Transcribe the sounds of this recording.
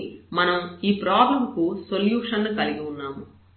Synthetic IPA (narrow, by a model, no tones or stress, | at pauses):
mɐnɐmiːpɾɔːbɐmkusoljuːʂɐnːkɐliɡiunːaːmu